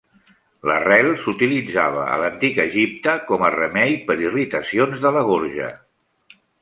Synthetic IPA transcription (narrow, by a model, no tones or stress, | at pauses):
lərɛlˠsut̪ilid͡zaβ̞ə̰ə̰lənt̪ikəʒip̚t̪əkɔmərəmɛʎpəɾirit̪əsionzðələɣ̞oɾʒə̰